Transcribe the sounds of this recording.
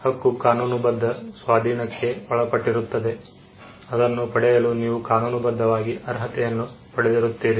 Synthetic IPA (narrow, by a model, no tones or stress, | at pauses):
hɐkːukaːnuːnubɐd̪ʱːɐsʋaːd̪ʱiːɳɐkːe̞hɔɭɐpɐʈːiɾut̪ːɐd̪e̞ | ɐd̪ɐnːupɐɽɛjɐluniːʋukaːnuːnubɐd̪ʱːɐʋaːɡiʔɐɾɦɐt̪ɛjɐnːupɐɽɛd̪iɾut̪ːiːɾi